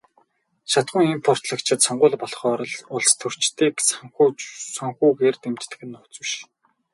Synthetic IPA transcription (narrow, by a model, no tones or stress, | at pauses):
ʃat̪χʊ̆ŋimpʰɔr̥t̪ɮə̆kt͡ɕʰɪ̆t̪sɔɴɢʊːɮpɔɮχɔːɾɞ̆ɮʊɮst̪ʰɵr̥t͡ɕt̪iːksŋxsɔŋxuːɡeːrt̪emt͡ɕt̪ɘ̥̆ɡɘ̆nːʊt͡swɘ̆ʃ